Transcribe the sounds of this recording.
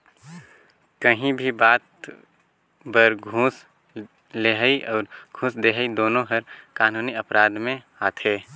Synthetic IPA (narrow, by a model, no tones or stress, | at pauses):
kəɦĩbʱibaːt̪ | bəɾɡʱũːs | leɦəiʔɔːɾɡʱũːsd̪eːɦəid̪oːnõɦəɾkaːnuːniɐpɾaːd̪mẽ | aːt̪ʰeː